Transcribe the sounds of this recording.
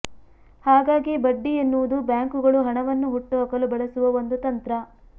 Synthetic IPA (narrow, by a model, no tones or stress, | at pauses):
haːɡaːɡibɐɖːijɐnːuʋud̪ubjaːŋkuɡɐɭuɦɐɳɐʋɐnːuɦuʈːɐɦɐkɐlubɐɭɐsuʋɐʋond̪ut̪ɐnt̪ɾɐ